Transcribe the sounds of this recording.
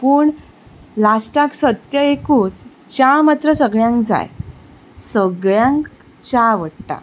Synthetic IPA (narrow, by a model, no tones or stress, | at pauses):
puːɳ | lasʈaksət̪jəekũːt͡s | t͡ɕamat̪ɾəsəɡɭjãŋkd͡za̰j | səɡɭjãŋk | t͡ɕaʋəɽʈa̰